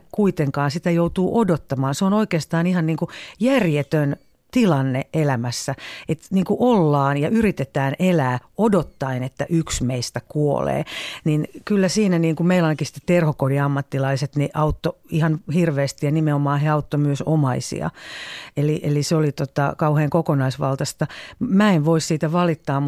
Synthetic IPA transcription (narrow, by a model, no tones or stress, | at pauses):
kuit̪eŋkɑːnsit̪æjout̪uːʔodot̪ːɑmɑːnseonoikeːst̪ɑːnihɑnniːŋkujærjet̪øn | t̪ilɑnːeʔelæmæsːæet̪niːŋkuʔolːɑːnjɑʔyrit̪et̪æːnʔelæːodot̪ːɑinet̪ːæʔyksmeist̪ækuo̰lḛːninkylːæsiːnæniːŋkumeilɑinɑkisi̥t̪ːe̥tt̪erhokodiɑmːɑt̪ːilɑiset̪niʔɑut̪ːoihɑnhirʋeːst̪ijɑnimeomɑːheɑut̪ːomyøsomɑisḭɑ̰eliʔelisolit̪ot̪ɑ̰kɑuheːŋkokonɑisʋɑlt̪ɑst̪ɑmæːeʋʋoissiːt̪æʋɑlit̪ːɑːmmu